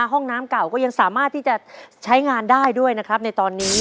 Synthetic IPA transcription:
ɦɔ˥˩ŋnaː˦˥mka˨˩wkɔː˥˩ja˧ŋsaː˨˩˦maː˥˩t̪ʰːiː˥˩t͡ɕa˨˩t͡ɕʰa˦˥jŋaː˧ndaː˥˩jdu˥˩əjna˦˥kʰɾa˦˥p̚na˧jt̪ɔː˧nːiː˦˥

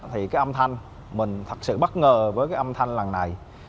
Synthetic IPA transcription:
t̪ʰi˨˩kaː˨˦jʔə˧mt̪ʰa˧jŋ̟ | mï˨˩ŋ̟t̪ʰə˨˩t̚sɨ̰˧˨ɓə˦˥t̚ŋəː˨˩vəː˨˦jkaː˨˦jʔə˧mt̪ʰa˧jŋla˨˩ŋna˨˩j

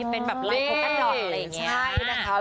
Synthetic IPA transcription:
e˧nbɛː˨˩p̚la˩i˧ | ja˨˩ŋt͡ɕːi˦a˥˩jna˦˥kʰa˦˥

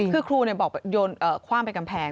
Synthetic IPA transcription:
ɯː˧˩kʰɾuː˧ni˩bɔː˨˩k̚bɛ˨˩p̚joː˧nʔɤː˨˩kʰwaː˥˩mpe˧nka˧mpʰɛː˧ŋ

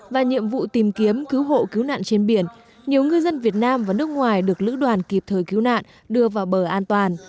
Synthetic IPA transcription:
vaː˨˩ɲḭ˧˨əmvṵ˧˨t̪i˨˩mki˨˦əmki˨˦wɦo̰˧˨ki˨˦wna̰ː˧˨nt͡ɕe˧nɓi˨˩ən | ɲi˨˩əwŋɨ˧jzə˧nvi˨˩ət̚naː˧mvaː˨˩nɨ˦˥ək̚ŋwaː˨˩jɗɨ˨˩ək̚lɨ̰˧˥ɗwaː˨˩nki˨˩p̚t̪ʰəː˨˩jki˨˦wna̰ː˧˨n | ɗɨ˧əvaː˨˩wɓəː˧˩ʔaː˧nt̪waː˨˩n

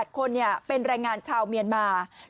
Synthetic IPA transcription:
t̪̚kʰo˧nːi˥˩ɐpe˧nɾɛː˧jŋaː˧nt͡ɕʰaː˧wmi˧ənmaː˧

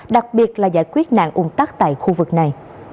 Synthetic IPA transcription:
ɗa˨˩k̚ɓi˨˩ət̚laː˨˩zaː˧˥˩jkwi˦˥ət̚na̰ː˧˨ŋʔu˧ŋ͡mt̪aː˦˥k̚t̪a̰ː˧˨jxu˧vɨ˨˩k̚na˨˩j

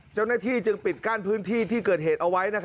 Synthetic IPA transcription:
t͡ɕa˥˩wnaː˥˩t̪ʰiː˥˩t͡ɕɯ˧ŋpi˨˩t̪̚kaː˥˩npʰɯː˦˥nt̪ʰiː˥˩t̪ʰiː˥˩kɤː˨˩t̪̚heː˨˩t̪̚ʔa˧wa˦˥jna˦˥kʰ

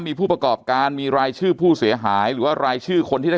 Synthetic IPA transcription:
miː˧pʰuː˥˩pɾa˧kɔː˨˩p̚kaː˧nmiː˧ɾaː˧jt͡ɕʰɯː˥˩pʰuː˥˩si˨˩˦ɐɦaː˩˦jɾɯː˩˦waː˥˩ɾaː˧jt͡ɕʰɯː˥˩kʰo˧nt̪ʰiː˥˩a˥˩

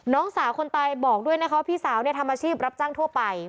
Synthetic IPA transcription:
nɔː˦˥ŋsaː˩˦wkʰo˧nt̪aː˧jbɔː˨˩k̚du˥˩əjna˦˥kʰa˦˥waː˥˩pʰiː˥˩saː˩˦wni˥˩ət̪a˧mʔaː˧t͡ɕʰiː˥˩p̚ɾa˦˥p̚t͡ɕaː˥˩ŋt̪ʰu˥˩ɐpa˧j

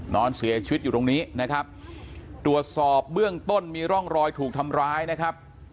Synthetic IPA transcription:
nɔː˧nsi˩˦ət͡ɕʰi˧wt̪̚juː˨˩t̪o˧ŋniː˦˥na˦˥kʰa˦˥p̚t̪ɾu˨˩ət̪̚sɔː˨˩p̚bɯ˥˩əŋt̪o˥˩nmiː˧ɾɔ˥˩ŋɾɔː˧jt̪ʰuː˨˩k̚t̪ʰa˧mɾaː˦˥jna˦˥kʰa˦˥p̚

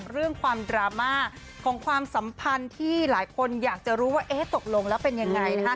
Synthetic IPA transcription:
ɾɯ˥˩əŋkʰwaː˧mdɾaː˧maː˥˩ | kʰɔː˩˦ŋkʰwaː˧msa˩˦mpʰa˧nt̪ʰiː˥˩laː˩˦jkʰo˧njaː˨˩k̚t͡ɕa˨˩ɾuː˦˥waː˥˩ʔeː˦˥t̪o˨˩k̚lo˧ŋlɛː˦˥wpe˧nja˧ŋːa˧jna˦˥kʰa˦˥

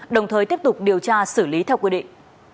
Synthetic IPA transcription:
ɗə˨˩wŋ͡mt̪ʰəː˨˩t̪i˦˥əp̚t̪ʊ˨˩k͡p̚ɗi˨˩əwt͡ɕaː˧sɨ˧˩li˨˦t̪ʰɛ˧wkwi˧ɗḭ˧˨ŋ

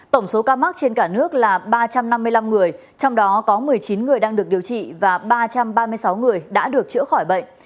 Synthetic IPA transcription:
t̪ə˧˩ŋ͡mso˨˦kaː˧ma˦˥k̚t͡ɕe˧nkaː˧˩nɨ˦˥ək̚laː˨˩ɓaː˧t͡ɕa˧mna˧mːɨ˧əjla˧mŋɨ˨˩əj | t͡ɕɔ˧wŋ͡mɗɔ˨˦kɔ˨˦mɨ˨˩əjt͡ɕi˨˦nŋɨ˨˩əjɗaː˧ŋɗɨ˨˩ək̚ɗi˨˩əwt͡ɕḭ˧˨vaː˨˩ɓaː˧t͡ɕa˧mɓaː˧mɨ˧əjsa˨˦wŋɨ˨˩əjɗa̰ː˧˥ɗɨ˨˩ək̚t͡ɕɨ̰˧˥əxɔ˧˩jɓə̰˧˨ŋ

